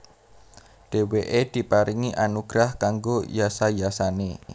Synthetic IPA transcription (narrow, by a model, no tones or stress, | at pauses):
ɖ̥eweʔed̪̥i̤paɾiŋiʔanuɡ̥ɾahkaŋɡojasajasane